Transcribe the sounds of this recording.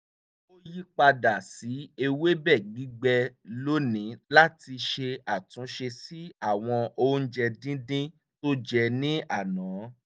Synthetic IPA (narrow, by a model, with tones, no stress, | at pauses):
o˦ji˦k͡pa˧da˨si˨˦e˧we˦bɛ˦˨ɡ͡bi˨˦ɡ͡bɛ˧lo˦nĩ˨˦la˦ti˧ʃe˧a˨tũ˨˦ʃe˧si˦a˦˨w̃ɔ̃˧o˦n̩˦d͡ʒɛ˧dĩ˦dĩ˦ | to˦d͡ʒɛ˧nĩ˦ʔa˦˨nã˨˦